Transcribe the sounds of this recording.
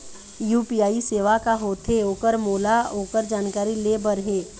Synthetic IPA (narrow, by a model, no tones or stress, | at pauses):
juːpijaːiseːʋakaɦoːt̪ʰeoːkəɾmoːlaoːkəɾd͡ʒaːnkaːɾilebəɾɦẽː